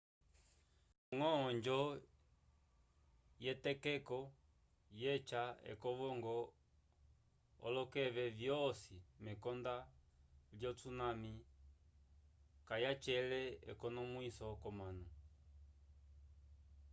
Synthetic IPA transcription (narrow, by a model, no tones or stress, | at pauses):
ŋɔːɲd͡ʒɔ | jɛtɛkɛkɔ | jɛt͡ʃaɛ̰kɔβɔŋɡɔ | ɔ̰lɔkɛβɛvjɔsimɛkɔnda | ljɔt͡sunami | kajat͡ʃɛlɛɛkɔnɔmwisɔkɔmanu